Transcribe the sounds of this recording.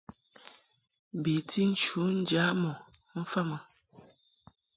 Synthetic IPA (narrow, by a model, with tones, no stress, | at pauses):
bi˨ti˦n̩˦˨t͡ʃu˨˦n̩˦d͡ʒa˨˦mɔ˨ | m̩˦fa˦˨ma˨